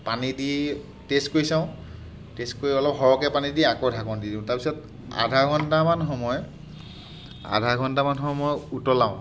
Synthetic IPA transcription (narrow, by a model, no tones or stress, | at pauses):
panidi | testkoɹisãʊ̃ | teskoɹiɔlɔpɦɔɹɔkɛpanidiakodʱakɔndidĩʊ̃taɹpisɔt | a̰dʱaɡʱɔntamanxɔmɔj | a̰dʱaɡʱɔntamanxɔmɔjutɔlaʊ̃